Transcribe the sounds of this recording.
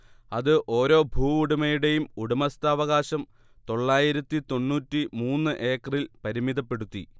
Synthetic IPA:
ɐðɨʔo̞ːɾo̞ːbʱuːuɽumɐjuɽe̞jumuɽumɐst̪ɐːʋɐɣaːɕɐm | t̪o̞ɭːaːjiɾɐt̪ːit̪o̞nːuːtːimuːnːɨʔe̞ːkːɐrilpɐɾimiðɐpːe̞ɽut̪ːḭ

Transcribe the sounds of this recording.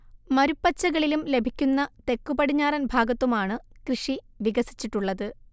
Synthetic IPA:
mɐɾupːɐt͡ɕːɐɣɐɭilumle̞bʱikʲːunːɐt̪e̞kːubɐɽiɲːaːrɐnbʱaːɡɐt̪ːumaːɳɨkrɨʂi | ʋiɣɐsi̥t͡ɕːiʈːuɭːɐðɨ

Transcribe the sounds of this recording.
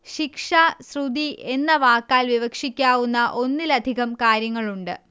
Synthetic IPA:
ɕikʂasrud̪iʔe̞nːɐʋaːkːaːlʋiʋɐkʂikʲːaːʋunːɐʔo̞nːilɐd̪ʱiɣɐmkaːɾjɐŋːɐɭuɳɖɨ

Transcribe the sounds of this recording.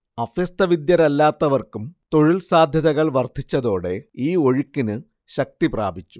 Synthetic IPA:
ɐfjɐst̪ɐʋid̪jɐɾɐlːaːt̪ːɐʋɐrkumt̪o̞ɻilsaːd̪ʱjɐðɐɣɐɭʋɐrd̪ʱit͡ɕːɐðo̞ːɽe̞iːo̞ɻikːinɨ | ɕɐk̚t̪ipra̰ːbʱit͡ɕːu̥

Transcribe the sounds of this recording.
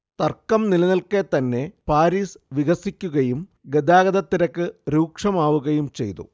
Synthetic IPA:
t̪ɐrkːɐmnilɐnɐlket̪ɐnːe̞paːɾiːsʋiɣɐsikʲːuɣɐjum | ɡed̪aːɡɐd̪ɐt̪ːiɾɐkːɨɾuːkʂɐmaːʋuɣɐjumt͡ɕe̞̰jt̪ṵ

